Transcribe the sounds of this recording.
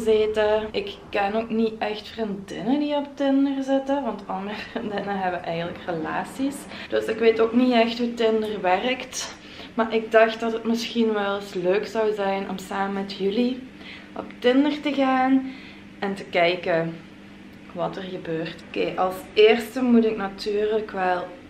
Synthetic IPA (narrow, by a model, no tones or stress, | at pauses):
zɪtəʔɪkkːɛnoːkniɛxtfrindɪnədiɔptɪndərzɪtəʋɑntɑndərəfrindɪnəɦɛbəʔɛjɣənləkrəlaːsisd̥ɵsɪkʋeːtoːkniɛxtɦuːtɪndərʋɛrəkt | maːʔɪɡ̚dɑxtdɑtɦətmɪsxinʋɛlˠɪsløːksɑwzɛjnʔɔ̰msaːməmɛtʰjyli | ʔɔ̰ptɪndərtəɣaːn | ɛntəkɛjkə | ʋɑtərɣəbøːrtokeːʔɑlˠseːrstəmutɪknatyːrləkʋɛlˠ